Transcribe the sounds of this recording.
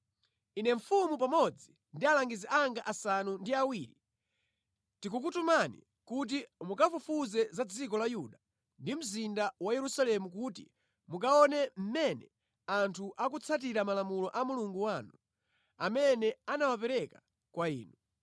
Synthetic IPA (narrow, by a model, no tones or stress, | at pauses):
inɛɱ̩fumupamɔd͡zi | ndialaŋɡizɛʔaŋɡaʔasanundiawiːɾi | tikukutumanḭ | kut̬imukafufuzɛzad͡zikɔlajuɗa | ndim̩zindawajɛɾusalɛmukuːtḭ | mukaɔnɛm̩mɛnɛ | antʰuʔakut͡sʰat̬iɾamalamulɔʔamuluŋɡuwaːnu | amɛnɛanawapɛɾɛka | kwaḭːnu